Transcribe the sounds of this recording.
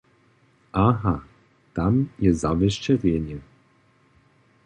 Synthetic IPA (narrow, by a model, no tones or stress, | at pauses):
aɦa | t̪amjɛzaʋɛʃt͡ʃɛɾʲɛnʲɛ